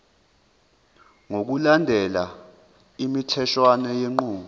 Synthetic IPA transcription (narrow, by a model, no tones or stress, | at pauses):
ŋok̬ulandʱɛla | imitʰɛʃwanɛjeŋ͡ǃuːu